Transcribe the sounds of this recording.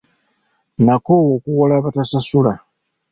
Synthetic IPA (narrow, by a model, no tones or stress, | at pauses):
nakoːwokuɣolaβatasasula